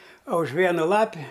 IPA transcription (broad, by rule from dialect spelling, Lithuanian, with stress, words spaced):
oː ʊʃ ˈʋʲiɛnʊ ˈlˠɑːpʲɪ